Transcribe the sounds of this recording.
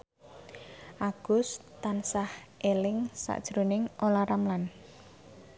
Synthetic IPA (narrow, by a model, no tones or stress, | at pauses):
ʔaɡ̥ʊst̪ansahʔelɪŋsa̰ʔd̥ʒ̥ɾonɪŋʔolaɾamlan